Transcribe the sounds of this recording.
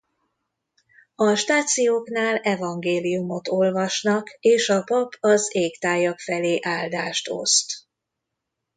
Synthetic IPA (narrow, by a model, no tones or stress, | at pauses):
ɒʃt̪aːt̪sijoːknaːlɛvɒŋɡeːlijumo̞t̪o̞lvɒʃnɒkeːʃɒpɒpʰɒzeːkt̪aːjɒkfɛleːʔaːld̪aːʃt̪o̞̰st̪